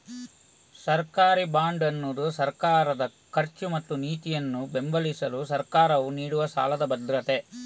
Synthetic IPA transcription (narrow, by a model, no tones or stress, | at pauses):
sɐɾkaːɾibaːɳɖɐnːoːd̪usɐɾkaːɾɐd̪ɐ | kʰɐɾt͡ʃumɐt̪ːuniːt̪ijɐnːube̞mbɐlisɐlusɐɾkaːɾɐʋuniːɽuʋɐʃa̰ːlɐd̪ɐbɐd̪ɾɐt̪e̞